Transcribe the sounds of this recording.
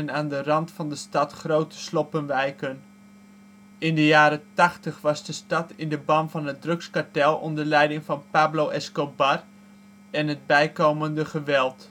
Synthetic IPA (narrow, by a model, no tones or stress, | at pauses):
ənaːndərɑntfɑndəstɑtχrowtə̥slɔpənʋɛjkən | ɪndəjaːɾətɑχtəχʋɑzdəstɑtɪndəbɑmvɑnɦət̚drɵkskaɹtɛlˠɔndəɹlɛjdɪŋvɑnpaːblowʔɛskobɑr | ɛnɦət̚bɛjkowməndəχəʋɛlˠt